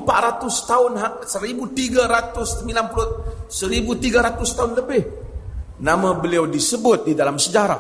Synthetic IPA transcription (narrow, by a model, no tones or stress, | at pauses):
mpaʔ̪ɾat̪ʊst̪aʊnɦasəɾibut̪iɡaɾat̪ʊsəmilanpulʊsəɾibut̪iɡaɾat̪ʊst̪aʊnləbɪh | namabəliawdisəbʊt̪̚didalamsəd͡ʒaɾa̰